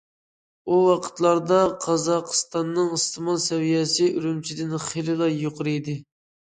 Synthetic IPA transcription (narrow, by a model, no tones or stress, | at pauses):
uwɑqʰə̥t̪lˠɑɾd̪ɑqʰɑzɑqʰst̪ɑnːɨŋɨst̪ʰɨmɑlˠsɛwijɛsɪyɾymt͡ʃʰid̪ɪnχelɪlˠɑjoqʰʊɾɨd̪ɪ